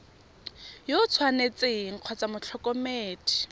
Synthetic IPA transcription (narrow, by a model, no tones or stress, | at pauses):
jot͡sʰwanet͡seŋ̩q͡χʰwɔt͡samʊt͡ɬʰɔkʼɔmeːti̥